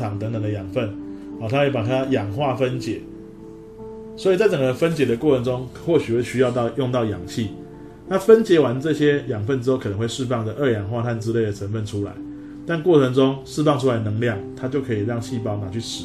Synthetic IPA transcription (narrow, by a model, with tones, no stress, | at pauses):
ɑ˨˩ŋt̪ə˧˦ŋt̪ə˨˩ŋd̪ə˨jɑ˨˩ŋfə˥˨nht̪ʰa˥kpa˨˩t̪ʰa˦˧jɑ˨˩ŋxwa˥˨fə˦nt͡ɕjɛ˨˩˦ | swɔ˧˥i˨t͡sa˥˩ɪʈ͡ʂə˨˩ŋɡə˩fə˦nt͡ɕjɛ˨˩d̪ə˨kwɔ˥˨˩ʈ͡ʂʰə˧˥ŋʈ͡ʂo˦ŋxwɔ˥˩ɕy˨˩xwe˥˩ɪɕy˥jɑ˥˧t̪ɑ˥˨ʊjʊ˥˧ŋt̪ɑ˥˩ʊjɑ̰˨˩ŋɕi˥˨ | na˥˨fə˦nt͡ɕjɛ˧˥wa˧˦nʈ͡ʂɤ˥˨ɕjɛ˦jɑ˨˩ŋfə˥˨nʈ͡ʂɻ̩˥xo˥˧ʊkʰnə˧˦ŋwe˥˧ɪʂɻ̩˥˧fɑ˥˨ŋd̪ə˩ʔə˥˧˩jɑ˨˩ŋxwa˥˧t̪ʰa˥˩nʈ͡ʂɻ̩˦le˥˩ɪd̪ə˨˩ʈ͡ʂʰə˧˦nfə˥˨nʈ͡ʂʰu˦la̰˨˧˦ɪ | t̪a˥˨nkwɔ˥˨ʈ͡ʂʰə˧˦ŋʈ͡ʂʊ˦ŋʂɻ̩˥˧fɑ˥˧ŋʈ͡ʂʰu˦la˨˧ɪənə˧˦ŋljɑ˥˨ŋt̪ʰa˥˦t͡ɕjo˥˩ʊkʰɤ˧˥i˨˩ɻɑ˥˧ŋɕi˥˩pɑ˥˩ʊna˨˦t͡ɕʰy˥˩ʂ̩˧˦